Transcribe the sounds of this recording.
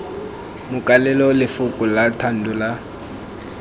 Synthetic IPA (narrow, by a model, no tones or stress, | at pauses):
mʊkʼalɛlɔlɪfʊkʼʊlatʰan̩dula